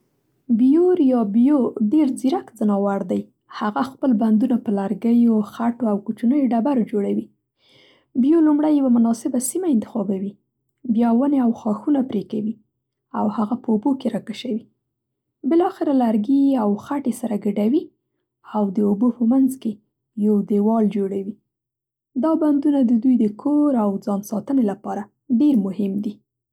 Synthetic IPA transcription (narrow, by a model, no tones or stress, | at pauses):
bjoɾjɑbjoɖeɾd͡ziɾakzənɑwaɽd̪aj | haɣaxpəlband̪unapəlaɾɡəjoxaʈoawkut͡ʃanəjoɖabaɾod͡ʒoɽawi | bjolumɽajːawamʊnɑsɪbasimaɪnt̪ɪ̥xɑbawi | bjɑwəneawxɑxunapɾekawi | awhaɣapəubokeɾɑkaʃawi | bɪlɑxɪɾalaɾɡiawxaʈesaɾaɡaɖawi | awd̪əubopəmanzke | jawd̪ewɑld͡ʒoɽawi | d̪ɑband̪unad̪əd̪ujd̪əkʰoɾawd͡zɑnsɑt̪ənelapɑɾa | ɖeɾmʊhɪmd̪i